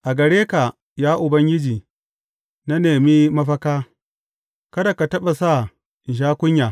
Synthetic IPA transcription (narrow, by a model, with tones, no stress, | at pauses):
ʔa˨ɡɐ˨ɽeː˦ka˨ | jaː˦ʔʊ˨bɐ˦ŋɡʲɪ˦d͡ʒiː˨ | na˦neː˨mi˦mɐ˦ɸɐ˦kaː˦ | kɐ˦da˨ka˨tɐ˦ɓa˨sa˦˨ | ʃ̬aː˦kʷʊ˦ɲja˨